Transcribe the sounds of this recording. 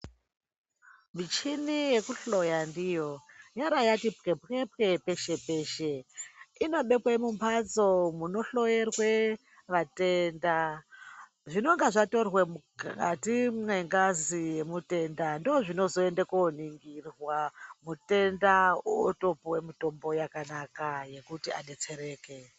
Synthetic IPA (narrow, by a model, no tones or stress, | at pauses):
mit͡ʃinije̞kuɬo̞jandijo̞jaɾajatipkepepkepe̞ʃe̞pe̞ːʃeino̞ɓe̞kwemumpʰat͡so̞muno̞ɬo̞jerwe | ʋate̞nda | ʐino̞ŋɡaʐato̞rwemukka̰timweŋɡazije̞mute̞ndandoːʐino̞zo̞endekoniŋɡirwamute̞ndauoto̞powemito̞mbo̞jakanakaje̞kutia̰ne̞t͡seɾe̞ːke̞